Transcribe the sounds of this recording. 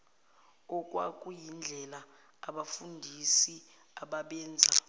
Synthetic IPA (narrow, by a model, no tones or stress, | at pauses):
ɔkʼwakʼujind͡ɮʱɛlaː | ɓafundʱisi | aɓaɓɛːnd͡zʱa